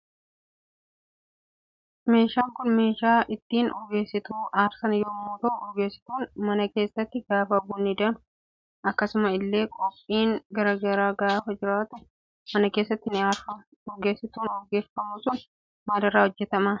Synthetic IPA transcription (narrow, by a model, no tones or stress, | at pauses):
me̞ːʃaːŋkʊnme̞ːʃaːʔɪt̪ːiːnɔɡe̞ːsːɪt̪uːʔaːɾsɐnjomːuːt̪ɐʔʊɔɡe̞ːsːɪ̥t̪uːnmɐnɐke̞ːsːɐt̪ːɪɡaːfɐbʊːnːɪd̪ɐn | ɐkːɐsʊmɐɪlːe̞ːkʼɔpʼːiːŋɡɐɾɐɡɐɾaːɡaːfɐd͡ʒɪɾaːt̪ʊ | mɐnɐkeːsːɐt̪ːɪnɪaːɾfɐ | ɔɡeːsːɪt̪uːnɔɡeːfɐmuːsʊn | maːd̪ɐɾaːhɔd͡ʒːɛt̪ɐmɐ